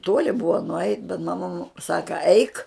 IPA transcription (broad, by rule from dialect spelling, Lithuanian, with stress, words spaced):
ˈtuɔlʲɪ bʊɐ nʊˈɐɪt bʲɛt mɐˈmɐ mʊ ˈsɑːkɐ ɐɪk